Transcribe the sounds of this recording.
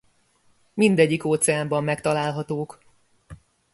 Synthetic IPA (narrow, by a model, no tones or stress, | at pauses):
mind̪ɛɟːikoːt̪sɛaːmbɒmːɛkt̪ɒlaːlɦɒt̪oːk